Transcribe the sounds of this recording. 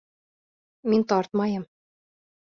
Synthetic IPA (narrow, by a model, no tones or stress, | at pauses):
mint̪ɑrt̪mɑjɤ̆m